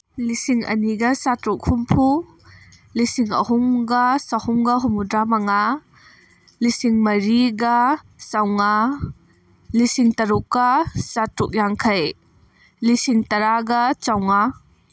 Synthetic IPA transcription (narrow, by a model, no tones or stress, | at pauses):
lisiŋɐ̰niɡɐsatɾuk̚humpʰu | lisiŋɐ̰huŋɡɐsɐhumɡɐɦumudɾamɐŋa | lisiŋmɐɾiɡɐ | sawŋa | lisiŋtɐɾukːɐsatɾuk̚jaŋkʰɐj | lisiŋtɐɾaɡɐt͡ʃawŋa